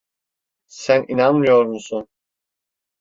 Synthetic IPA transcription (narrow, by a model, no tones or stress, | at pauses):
sænʔinanmɯjo̞ɾmusun